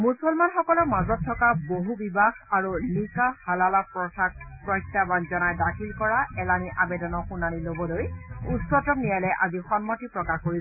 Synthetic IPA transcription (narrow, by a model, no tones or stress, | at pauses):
musɔlmanxɔkɔlɔmazɔtʰːɔkaboɦubibaxaɹunikahalalapɹɔsak̚pɹɔjtːabanzɔnajdakʰilkɔɹaɛlaniʔabɛdɔnɔxunanilobɔlojusɔtɔknijalɛʔazixɔnmɔtipɹɔkaxkoɹibɔ